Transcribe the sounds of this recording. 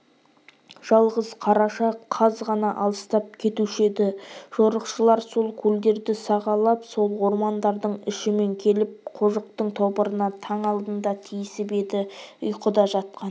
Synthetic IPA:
ʒ̥ɑlˠʁəzqʰɑɾɑʃɑqʰɑzʁɑnɑʔɑlˠəst̪ɑp̚kʲʰe̞t̪uʃed̪ɪʒ̥oɾəqʃəlˠɑɾso̞lˠkʲʰɵld̪e̞ɾd̪ɪsɑʁɑlˠɑpso̞lˠwo̞ɾmɑnd̪ɑɾd̪əɴɪʃɪme̞ŋkʲʰe̞lɪp̚qʰoʒəqt̪əɴt̪ʰopəɾənɑt̪ʰɑɴɑlˠd̪ənd̪ɑt̪ʰijɪsɪbe̞d̪ɪʊjqəd̪ɑʒɑt̪̚qɑn

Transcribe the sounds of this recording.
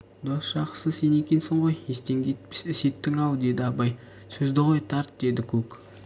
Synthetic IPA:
d̪osʃɑqə̥səzse̞ne̞kʲe̞nsɪɴʁo̞jest̪eŋɡʲet̪pɪ̥sɪse̞t̪ːɪŋɑwd̪e̞d̪ɪɑbɑj | sɵzd̪ɪʁo̞jt̪ʰɑɾt̪d̪e̞d̪ɪkʲʰɵk

